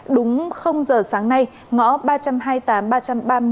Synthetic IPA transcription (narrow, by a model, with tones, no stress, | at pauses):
ɗʊ˨˦ŋ͡mxə˧wŋ͡mzəː˨˩saː˨˦ŋna˧j | ŋɔ̰˧˥ɓaː˧t͡ɕa˧mɦaː˧jt̪aː˨˦mɓaː˧t͡ɕa˧mɓaː˧m˧